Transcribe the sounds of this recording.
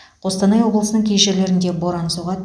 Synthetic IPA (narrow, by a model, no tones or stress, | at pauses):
qʰo̞st̪ɑnɑjwo̞blˠəsənəɴkʲʰejʒeɾle̞ɾɪnd̪e̞bo̞ɾɑnəsuʁɑ